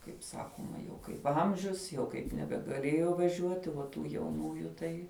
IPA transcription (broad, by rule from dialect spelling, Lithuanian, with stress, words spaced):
kɐɪp ˈsɑːkoːmɐ jɛʊ kɐɪp ˈɐmʲʒʲʊs jɛʊ kɐɪp nʲɛbʲɛɡɐˈlʲeːjoː ʋɐˈʒʲuɔtʲɪ ʋɐ ˈtuː jɛʊˈnuːjʊ ˈtɐɪ